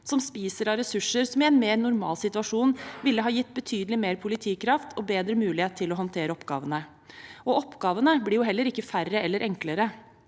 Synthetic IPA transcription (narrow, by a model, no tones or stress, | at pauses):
sɔmspiːsəɾɑɾɛsʉʂːəɾsɔmɪɛnmeːɾnʊɾmɑ̰ːlsɪt̪ʉʋɑʂuːnʋɪlːəɦɑːjɪt̪ːbət̪ʰyːd̪lɪmeːɾpʰʊlɪt̪ʰiːkʰɾɑft̪ʰɔbeːd̪ɾəmʉːlɪheːt̪ʰːɪlɔɦɑnt̪ʰeːɾəɔpɡɑ̰ːʋənə | ʔɔɔpːɡɑːʋənəblɪɾjʊhɛlːəɾɪkːəfærəɛlːəɾʔɛŋkləɾə